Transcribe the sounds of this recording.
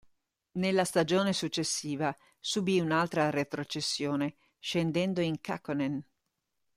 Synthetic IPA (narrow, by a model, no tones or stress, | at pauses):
nelːast̪ad͡ʒoːnesut͡ʃːesːiːva | subiunalt̪ɾaret̪ɾot͡ʃesːjoːne | ʃend̪ɛnd̪oiŋka̰konen